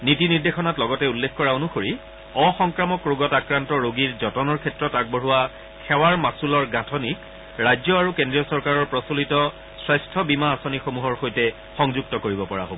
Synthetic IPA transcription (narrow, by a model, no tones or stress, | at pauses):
nitiniɹdexɔnatlɔɡɔtɛulːekkɔɹaonuxoɹi | ɔxɔŋkɹamɔkɹuɡɔtakɹantɔɹoɡiɹzɔtɔnɔɹkʰɛtɹɔtak̚boɹuwa | xʰɛwaɹmasulɔɹɡatʰɔnik | ɹajzɔaɹukendɹiɔsɔɹkaɹɔɹpɹɔsulitɔ | swajstʰɔbimaːsonixomuɦɔɹxojtɛ | xɔŋzuɡ̚tɔkoɹibɔpɔɹa̰ɦobɔ